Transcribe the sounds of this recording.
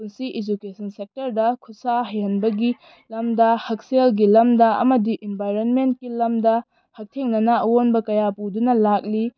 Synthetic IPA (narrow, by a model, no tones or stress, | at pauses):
unsiʔid͡ʒukesɐnsek̚tɐɾdɐkʰusaɦɐjɐnbɐɡi | lɐmdɐhɐk̚selɡilɐmdɐɐ̰mɐdiʔinbajɾonment̚kilɐmdɐ | hɐk̚tʰeŋnɐnaɐwonbɐkɐjapudunɐlak̚li